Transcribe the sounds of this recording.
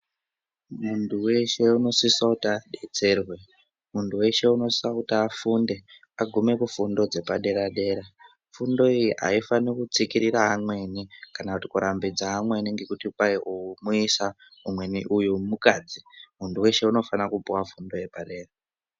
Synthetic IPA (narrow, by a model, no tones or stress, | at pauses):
muntʰuwe̞ʃe̞uno̞sisautaaɗe̞t͡se̞rwe̞ | muntuwe̞ʃe̞uno̞sautaːfunde̞ | aɡʱume̞kufundo̞d͡ze̞paɗe̞ɾaɗe̞ːɾa | fundo̞ijiʔa̰ifanikut͡sikiɾiɾaːmwe̞nikanakutikuɾʔambid͡zaamwe̞niŋɡe̞kutipaiʔuumuisa | umwe̞niʔujumukad͡zimuntuwe̞ʃe̞uno̞fanakupuwafundo̞jepaɗe̞ːra